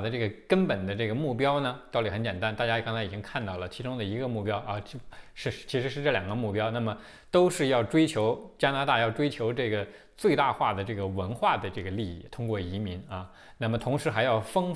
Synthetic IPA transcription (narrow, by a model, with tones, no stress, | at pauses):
d̪ə˦ʈ͡ʂɤ˥˩ɡə˩kə˥npə˨˩nd̪ə˦ʈ͡ʂɤ˥˩ɡə˩mu˥˩pjɑ˥ʊnə˨t̪ɑ˥˩ʊt̪i˨˩˥xə˧˥nt͡ɕɛ˨˩nt̪a˥nt̪a˥˩t͡ɕja˥kɑ˥ŋt͡sʰa˧˥ɪi˨˩t͡ɕi˥ŋkʰa˥˧nt̪ɑ˥˩ʊlə˩t͡ɕʰi˧˥ʈ͡ʂʊ˥ŋd̪ə˨i˧˥ɡə˧mu˥˩pjɑ˥ʊʔɐ˧˩t͡ɕʂɻ̩˥˧˥t͡ɕʰi˧˥ʂɻ̩˧˥ʂɻ̩˥˧ʈ͡ʂɤ˥˩ljɑ˨˩ŋɡə˦mu˥˩pjɑ˥ʊna˥˩mə˩ | t̪o˥ʊʂɻ̩˥˧jɑ˥˩ʊʈ͡ʂwe˥ɪt͡ɕʰjo˧˥ʊt͡ɕja˥na˧˥a˥˧jɑ˥˩ʊʈ͡ʂwe˥ɪt͡ɕʰjo˧˥ʊʈ͡ʂɤ˥˩ɡə˩ | t͡swe˥˧ɪt̪a˥˧xwa˥˩d̪ə˩ʈ͡ʂɤ˥˩ɡə˩wə˧˥nxwa˥˩d̪ə˩ʈ͡ʂɤ˥˩ɡə˩li˥˧ḭ˥˩t̪ʰʊ˥ŋkwɔ˥˩i˧˥mi˧˥nɐ˥˧ | na˥˩mə˩t̪ʰʊ˧˥ŋʂɻ̩˧˥xa˧˥ɪjɑ˥˩ʊfɤ˥ŋ